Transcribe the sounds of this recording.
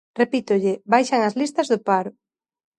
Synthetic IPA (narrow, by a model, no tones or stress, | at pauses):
repit̪ʊʎɪbajʃɐŋɐzlist̪ɐzðʊpaɾʊ